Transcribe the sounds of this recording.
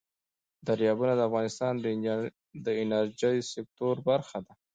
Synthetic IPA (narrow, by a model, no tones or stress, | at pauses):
d̪aɾjɑbunad̪əafɣɑnɪst̪ɑnd̪ə | d̪əɪnaɾd͡ʒəjsɪk̚t̪oɾbaɾxad̪a